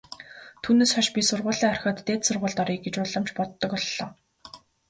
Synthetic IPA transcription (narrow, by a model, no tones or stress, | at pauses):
t̪ʰuːneːsχɔʃpʲisʊrʁʊːɮiːŋɔrxʲə̆ːt̪ːeːt̪sʊrʁʊːɮt̪ɔɾiːk̚ɡet͡ɕʊɮə̆mt͡ɕpɔt̪ːɞ̆kɔɮːɔ̰ː